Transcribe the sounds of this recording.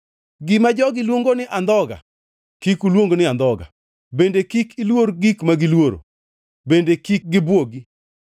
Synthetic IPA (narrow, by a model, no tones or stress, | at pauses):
ɡɪmad͡ʒɔɡɪlwoŋɡonɪʔand̪ɔɡa̰ | kikulwoŋɡonɪand̪ɔɡa̰ | bendekikʰilwoɾɡikmaɡɪlwoɾo̰ | bendekik̚ɡɪbwoɡi